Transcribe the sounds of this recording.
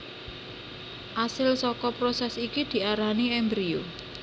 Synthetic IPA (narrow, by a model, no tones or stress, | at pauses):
ʔasɪlsɔkɔpɾosɛsikid̪̥i̤aɾaniɛmbɾio